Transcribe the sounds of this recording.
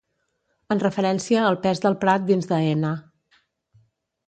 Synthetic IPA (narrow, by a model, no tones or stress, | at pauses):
ənrəfəɾɛnsiəːlˠpɛzðəlˠpɾat̪̚d̪inzðəenə